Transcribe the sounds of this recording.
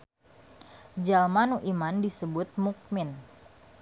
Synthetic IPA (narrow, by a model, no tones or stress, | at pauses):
d͡ʒalmanuʔimandisəbʊt̪̚muk̚mɪn